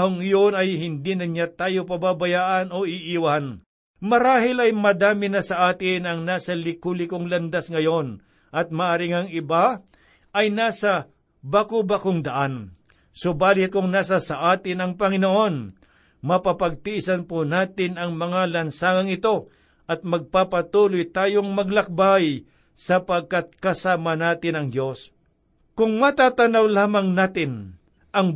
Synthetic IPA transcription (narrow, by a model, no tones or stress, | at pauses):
hoŋɪjo̞nɐjɦɪnd̪inɐɲat̪aːjo̞pɐbabɐjaːʔɐno̞ʔɪʔiwɐhan | mɐɾaːɦɪlɐjmɐd̪aːmɪnɐsɐʔaːt̪ɪnɐŋnaːsɐlɪkulɪkoŋlɐnd̪asŋɐjo̞n | ʔɐt̪̚mɐʔɐɾɪŋɐŋɪba | ʔɐjnaːsɐ | bakobakoŋd̪ɐʔan | sobaːlɪt̪̚kʊŋnaːs̬ɐsɐʔaːt̪ɪnɐŋpɐŋɪnoʔo̞n | mɐpapɐɡ̚t̪ɪɪsɐnponaːt̪ɪnɐŋmɐŋalɐnsaːŋɐŋɪt̪o̞ | ʔɐt̪̚mɐɡ̚papɐt̪uːlojt̪aːjoŋmɐɡlɐk̚baj | sɐpɐɡ̚kat̪̚kɐsaːmɐnaːt̪ɪnɐŋd̪jo̞s | kʊŋmɐt̪aːt̪ɐnɐwlaːmɐŋnaːt̪ɪn | ʔɐŋ